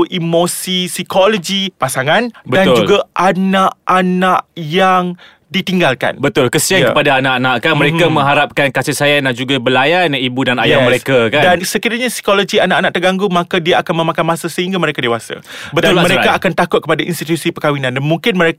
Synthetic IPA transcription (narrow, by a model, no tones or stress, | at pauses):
ʔimosisikolod͡ʒipasaŋãnbədand͡ʒulɡaʔanaʔanaʔjaŋ | dit̪iŋɡalka̰nbət̪ʊlkəsiankəpadaːnaʔanaʔkanməɾekamə̃ŋɦaɾap̚kankasɪhsajanad͡ʒuɡabəlajanibudana̰jaməɾekakadansəkiɾaɲasi̥kolod͡ʒianãʔanãʔ̚t̪ərɡaŋɡumãkadiaʔakanməmakanmãsasəɦiŋɡaməɾekadewasa̰bətd̪ʊlməɾeaːkant̪akʊt̪̚kəpadaʔinst̪it̪usipəkawinãndanmuŋkɪnməɾe